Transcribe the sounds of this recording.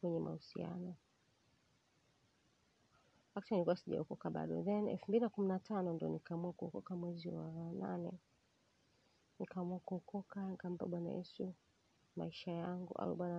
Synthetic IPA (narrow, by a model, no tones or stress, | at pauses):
kwɛɲɛmʔa̰husia̰nɔ | waktanilikuwasiʄa̰ukɔkaɓa̰ɗɔ̰ðɛnɛ̰lfumbilinakuminatʰanɔndiɔ̰nikamuakuhɔkɔkamwɛziwana̰nɛ̰ | nikamuakuɔkɔkanikam̩pa̰ɓwana̰jɛ̰su | ma̰iʃajaŋɡṵʔa̰uɓwana